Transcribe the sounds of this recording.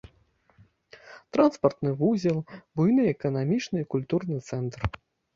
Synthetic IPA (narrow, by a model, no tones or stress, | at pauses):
t̪ɾanspɐrt̪nɨvuzʲɛlˠbujnɨɛkɐnamʲit͡ʂnɨikulʲt̪urnɨt̪sɛnt̪r